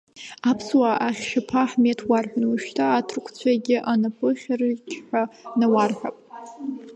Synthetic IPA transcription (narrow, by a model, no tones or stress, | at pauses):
apʰswaʔaχʲʃapʰaħmetʰwarħʷᶣanwaʃtʰaːtʰrkʷʰt͡sʷʰaɡʲɪʔanapʰɨχʲrkʲʰħʷᶣanawarħʷᶣa̰pʼ